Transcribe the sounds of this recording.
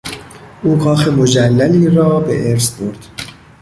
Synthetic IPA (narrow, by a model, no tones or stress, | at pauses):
ʔuːɡɒːxemod͡ʒælːæliːɾɒːbe̞̰ʔeɾsboɾd̪̥